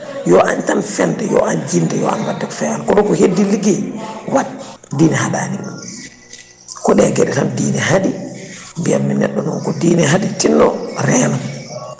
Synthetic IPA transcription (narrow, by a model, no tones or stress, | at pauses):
jɔʔantanfɛndɛjɔ̰ʔand͡ʒindɛjɔ̰a̰nwadːɛkɔ̥fɛankɔɗɔkɔhedːiliɡɛwatdiːnɛhaɗa̰ːniŋ | kɔɗɛɡɛɗɛtamdiːnɛɦaɗimbiamːinɛ̰ɗːɔnɔnkɔdiːnɛɦaɗitinːɔɾɛːnam